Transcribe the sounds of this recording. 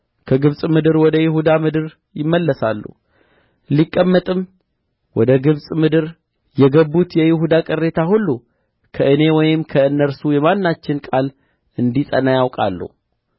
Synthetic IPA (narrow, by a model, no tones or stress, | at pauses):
kʰəɡɨβsʼmɨd̪ɨɾwɔd̪əjɪhud̪amɨd̪ɨɾ | jɪmːəlːəsa̰lːṵ | likʼːəmːət̪ʼɨm | wɔd̪əɡɨβsʼmɨd̪ɨɾ | jɛɡəbːut̪jɛjɪɦud̪akʼɨrːe̞t̪ʰahulːu | kʰəʔɨne̞wɔjɪmkʰəɨnːəɾsujɛmanːat͡ʃːɪnkʼal | ɨnd̪isʼə̰najawkʼa̰lːṵu